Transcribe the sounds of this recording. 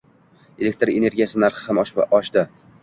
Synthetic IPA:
elek̚ʲt̪ɾe̞ne̞ɾɡʲijasɪnaɾχɪ̥hamɒʃɒʃd̪ɪ

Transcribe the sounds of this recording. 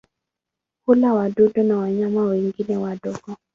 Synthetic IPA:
kʊlawadodɔnawaɲamawiŋɡinɛwadɔɡɔ

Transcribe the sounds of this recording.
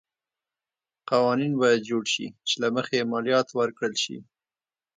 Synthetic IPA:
qawɑninbɑjad̪̚d͡ʒoɽʃḭt͡ʃelaməxejemɑljɑt̪wəɾkɽəlʃḭ

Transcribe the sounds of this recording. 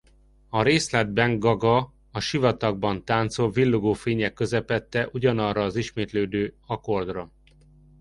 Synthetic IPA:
ɒɾeːslɛd̪̚bɛŋɡɡɒɡɒ | ɒʃivɒt̪ɒɡ̚bɒnt̪aːnt̪solvilːuɡoːfeːɲɛkːø̞zɛpɛt̪ːɛʔuɟɒnɒrːɒːziʃmeːt̪løːd̪øːɒko̞rd̪rɒ

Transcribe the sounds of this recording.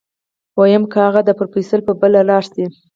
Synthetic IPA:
wɑjəmkəaɣad̪əpəɾpisəlpəbəlalɑsd̪i

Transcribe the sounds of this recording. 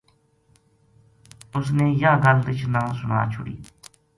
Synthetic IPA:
ʊsneːjãːɡəld̪ɪt͡ʃʰnãːsʊna̰ːt͡ʃʰʊɽḭː

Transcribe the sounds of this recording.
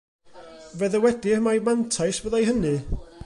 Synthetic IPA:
vɛðəwɛdiəmajmantʰajswəðajɦənɨ

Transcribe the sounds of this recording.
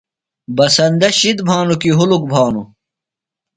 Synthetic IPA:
bɐsɐnd̪ɐɕid̪bʱaːnukiɦuluk̚bʱaːnu

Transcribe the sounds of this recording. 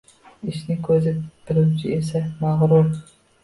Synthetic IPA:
iʃnɪkʲʰøzɪb̥ɪɾuwt͡ʃʰiesɛmæʁɾuɾ

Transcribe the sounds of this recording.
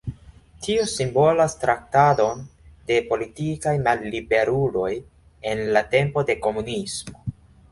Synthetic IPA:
tʰiosimbo̞lastɾak̚tado̞nde̞po̞litikajmalːibe̞ɾulo̞j | e̞nlate̞mpo̞de̞ko̞munismo̞

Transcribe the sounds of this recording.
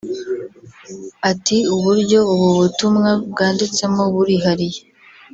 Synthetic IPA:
atiuβuɾɟo̞uβuβutumŋab̚ɡaːndit͡se̞moβuɾiɦaɾije

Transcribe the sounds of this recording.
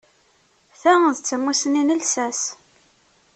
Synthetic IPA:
θæðt͡sːəmːusəninəlsæs

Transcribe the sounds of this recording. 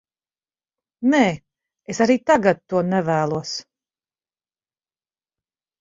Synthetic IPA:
nɛː | esaɾiːt̪aɡat̪̚ːuɔnɛvæːlˠuɔs

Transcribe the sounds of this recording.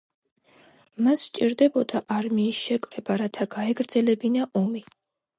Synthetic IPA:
mast͡ʃʼiɾd̪ɛbɔd̪aʔaɾmiːsʃɛkʼvɾɛbaɾat̪ʰaɡaɛɡɾd̪zɛlɛbinaʔɔmi

